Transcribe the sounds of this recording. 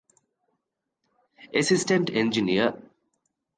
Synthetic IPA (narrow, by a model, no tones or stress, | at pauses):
esisʈẽɳʈẽnd͡ʒiniə